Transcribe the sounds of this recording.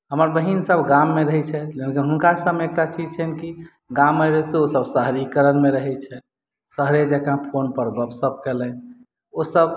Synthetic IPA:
ɦəməɾbəɦinsəbʱɡamːeɾəɦɛt͡ʃʰɛlekinɦunkasəbeek̚ʈat͡ʃid͡ʒt͡ʃʰɛnki | ɡãmːəjɾəɦɛt̪oosəbsəɦɾikəɾənmeɾəɦɛt͡ʃʰɛ | səɦɾed͡ʒɛkãpʰonpəɾɡɔpsəb̚ʱkelən | osəb

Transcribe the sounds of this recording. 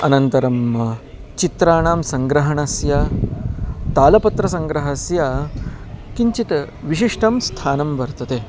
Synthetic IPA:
ɐnɐnt̪ɐɾɐmɐ | t͡ʃit̪ɾaːɳaːmsɐŋɡɾɐɦɐɳasja | t̪aːlɐpɐt̪ɾɐsɐŋɡɾɐɦɐsja | kiɲt͡ʃit̪ | ʋiʃiʂʈʰɐmst̪ʰaːnɐmʋɐɾt̪ɐt̪eː

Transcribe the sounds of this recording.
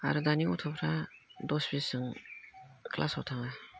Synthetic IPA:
a̰ɾɯdaniutʰɔpʰɾadɔsbisɯŋ | klʔa̰sɔwtʰaŋa

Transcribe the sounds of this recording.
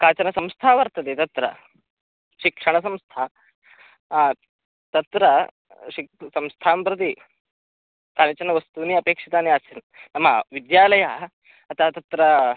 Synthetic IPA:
kaːt͡ɕɐnɐsɐmst̪ʰaːʋɐɾt̪ɐt̪et̪ɐt̪ɾɐ̰ | ɕikʂɐɳ̃ɐsɐ̃mst̪ʰa | t̪ɐt̪ɾɐ | ɕisɐ̃mst̪ʰaːmpɾɐt̪̬i | k̪anit͡ɕɐnːɐʋɐst̪uːniːɐpeːkʂit̪aːniasin | nɐma̰ʋid̪jaːlɐja | ɐt̪at̪ɐt̪ɾɐ

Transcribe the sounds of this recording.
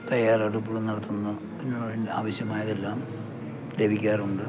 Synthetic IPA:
t̪ɐjaːrɐɽupːuɭunɐɽɐt̪ːunːɐ | enːuːɐɽinda̰ːʋɐɕjɐmaːjɐðe̞lːaːm | le̞bʱikʲːaːruɳɖɨ

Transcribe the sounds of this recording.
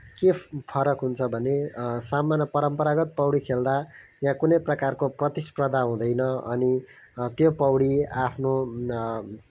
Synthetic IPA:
kepʰʌɾʌkɦunt͡sʰʌbʱʌnesamanʌpʌɾʌmpʌɾaɡʌt̪̚pʌwɽikʰeld̪ajãkunʌjprʌkarkoprʌt̪isprʌd̪ʱaɦũd̪ʌjnʌʌni | t̪jopʌwɽiapʰno

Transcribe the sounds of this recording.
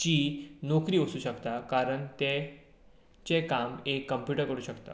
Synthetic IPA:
t͡ɕiːnokɾiːʋəsuːɕəkt̪akaɾəɳt̪e | t͡ɕekamekːəmpjuʈəɾkəɾuːɕəkt̪a̰

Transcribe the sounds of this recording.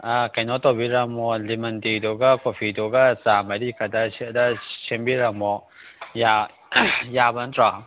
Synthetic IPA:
akajnɔtobiɾɐmɔlimɐntidɔɡakopʰidoɡasamɐɾikʰɐdɐsidɐsenbiɾɐmɔ | ja | jabɐntɾa

